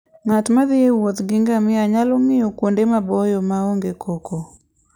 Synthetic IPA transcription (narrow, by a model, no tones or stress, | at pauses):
ŋatmaðɪewot̪ɡɪŋɡamɪaɲalɔŋɪjɔkwondemabɔjɔmaoŋɡekʰoko